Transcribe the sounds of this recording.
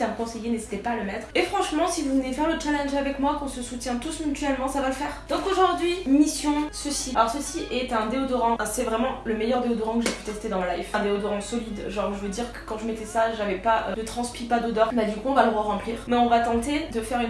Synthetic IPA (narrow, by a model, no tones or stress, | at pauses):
aməkɔ̃sejenezit̪epaːləmɛt̪χefχɑ̃ʃmɑ̃sivuvənefɛʁlət͡ʃalɛ̃nʒavɛkmwakɔ̃səsut̪jɛ̃t̪usmyt̪ɥɛlmɑ̃savaləfɛːʁd̪̥ɔ̃koʒuʁd̪ɥimisjɔ̃səsialɔʁsəsiʔɛt̪ɛ̃d̪eod̪ɔʁɑ̃ɛ̃sɛvʁɛmɑ̃ləmɛjœʁd̪eod̪ɔʁɑ̃kəʒepy̥t̪ɛst̪ed̪ɑ̃lajvɛ̃d̪eod̪ɔʁɑ̃sɔlid̪ʒɑ̃ʁʒəvød̪iʁkə̥kɑ̃ʒəmɛt̪ɛsaʒavɛpaʔød̪ət̪χɑ̃spipad̪od̪ɔʁbad̪ykuɔ̃valəʁwaʁɑ̃pliːʁmɛɔ̃vat̪ɑ̃t̪ed̪əfɛʁyn